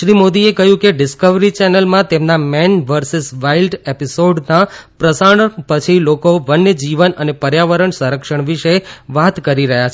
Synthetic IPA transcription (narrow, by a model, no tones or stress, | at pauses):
ʃɾimod̪iekəɦjũkeɖɪskəʋɾit͡ʃɛnəlmãt̪emnamɛnʋəɾsɪsʋailɖepisoɖnãpɾəsaɳ̃pət͡ʃʰilokobənːəd͡ʒiʋənənepəɾjaʋəɾəɳsə̃ɾəkʃəɳʋiʃeʋat̪kəɾiɾəɦjat͡ʃʰ